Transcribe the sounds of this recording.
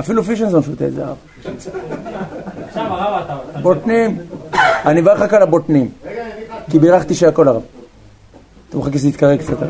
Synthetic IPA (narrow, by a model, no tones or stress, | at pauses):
afilufiʃenzanfot̪ezaa̰v | bot̪nim | anivaeχakalabot̪nim | kibiʁaχt̪iʃeakolaʁav | t̪amuχakes̬lit̪kaʁekt͡sat̪a